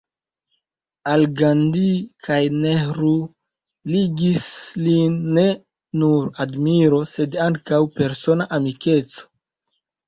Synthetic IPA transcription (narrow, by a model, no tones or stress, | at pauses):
alɡandikʰajnehɾu | liɡislinːe̞ | nuɾadmiɾo̞se̞daŋkawpe̞ɾso̞naʔamike̞t͡so̥